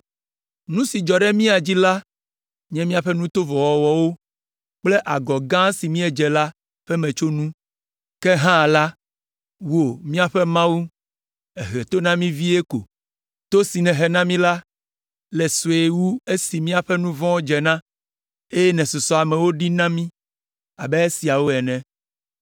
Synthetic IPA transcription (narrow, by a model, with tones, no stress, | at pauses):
nũ˦si˨d͡ʒɔ˨ɖɛ˦mĩ˦a˨d͡ʑi˦la˦ | ɲɛ̃˦mĩ˦a˨ɸɛ˦nũ˦t̪o˦vɔ˨wɔ˨wɔ˨wo˦ | k͡ple˦ʔa˨ɡɔ˨ɡã˦si˨mĩ˦ɛ˨d͡ʒɛ˨la˦ | ɸɛ˦mɛ̃˨t͡ʃo˦nũ˦ | kɛ˦ɦã˦˨la˦ | wu˦o˨mĩ˦a˨ɸɛ˦mã˦wu˦ | ɛ˨ɦɛ˨t̪o˦nã˦mĩ˦vi˦e˦ko̰˨ | t̪o˦si˨nɛ̃˨ɦɛ˨nã˦mĩ˦la˦ | lɛ˨so˨e˨wu˦e˦si˨mĩ˦a˨ɸɛ˦nũ˦vɔ̃˦d͡ʒɛ˨nã˦ | e˦jɛ˦nɛ̃˨so˨sɔ˨a˨mɛ̃˨wo˦ɖi˦nã˦mĩ˦ | a˨bɛ˦e˦si˨a˨wo˦ɛ˨nɛ̃˨